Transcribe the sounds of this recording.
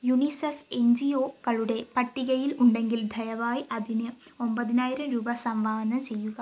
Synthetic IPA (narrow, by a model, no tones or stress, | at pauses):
junisefend͡ʑioːkɐɭuɽe̞pɐʈːiɣɐjiluɳɖe̞ŋɡild̪ʱɐjɐʋaːjʔɐðinɨombɐðinaːjiɾɐmɾuːbɐsɐmʋaːɐnɐt͡ɕe̞jːuɣɐ